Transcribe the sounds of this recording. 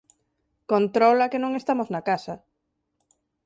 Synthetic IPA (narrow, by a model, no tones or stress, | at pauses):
kont̪ɾɔlakenõŋest̪amoznakasɐ